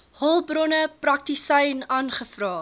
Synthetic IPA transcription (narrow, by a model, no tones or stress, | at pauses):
hɔlˠbrɔnəprɐk̚tisɛjnɑːnχəfrɑː